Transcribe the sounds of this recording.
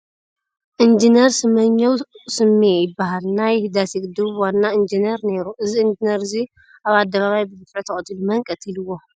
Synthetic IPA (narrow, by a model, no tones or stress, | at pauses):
ʔɨnd͡ʒineɾsɨmɐɲːɐwsɨmːejɪbːaɦalnajd̪asiɡʼd̪ɨβwanːaɨnd͡ʒineɾne̞ɾuʔɨziɨnd͡ʒineɾɨzi | ʔaβad̪ːɐβaβajbɨzɨfʕɨt̪ʰɐχʼt̪ʰːilumɐŋkʼɐt̪ʰilɨwːo